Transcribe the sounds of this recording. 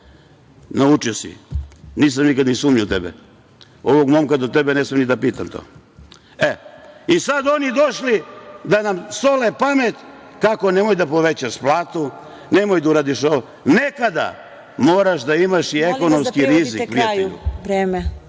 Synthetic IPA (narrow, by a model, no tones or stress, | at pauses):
naut͡ʃiosḭniːs̬amnikad̪nisuːmɲut̪ebḛ | o̞ʋoɡmomkad̪ot̪ebeneːsmenid̪apiːt̪amt̪o̰ː | eisad̪o̞nid̪oʃlid̪anamsolepamet̪ | kako̞ne̞mojd̪apo̞ʋet͡ɕaʃplˠaːt̪u | nemojd̪auɾaːd̪iʃoʋo | nekad̪a̰ | moːɾaʃd̪aimaʃieko̞nomskiɾizipɾijateʎṵɾeːme